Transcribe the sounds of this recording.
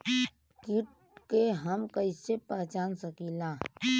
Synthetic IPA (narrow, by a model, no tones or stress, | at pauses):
kiʈ | keɦəmkəisepɛt͡ʃaːnsəkilaː